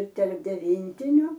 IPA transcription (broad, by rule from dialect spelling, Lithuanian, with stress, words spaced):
ɪr tʲɛrp dʲɛˈʋʲiːnʲtʲɪnʲʊ